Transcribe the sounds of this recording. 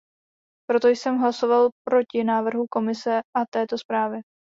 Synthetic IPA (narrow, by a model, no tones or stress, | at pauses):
pɾo̞t̪o̞jsɛmɦlaso̞valpɾo̞cɪnaːvr̩ɦuko̞mɪsɛʔat̪ɛːt̪o̞spɾaːvɪ